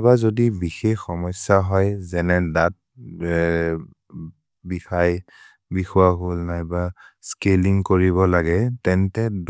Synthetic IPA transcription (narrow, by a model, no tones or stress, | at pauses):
bazodibixexːɔmɔsaɦɔjzɛnɛdat̚ | bixaj | bixuwaɦolnajbaskeliŋkoɹiβɔlaɡɛtɛntɛd